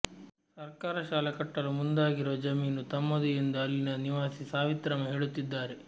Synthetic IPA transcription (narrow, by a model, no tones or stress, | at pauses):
sɐɾkaːɾɐʃaːlɛkɐʈːɐlumund̪aːɡiɾʋɐd͡ʒɐmiːnut̪ɐmːɐd̪ujind̪uɐlːinɐniʋaːsisaːʋit̪ɾɐmɐɦeːɭut̪ːid̪ːaːɾe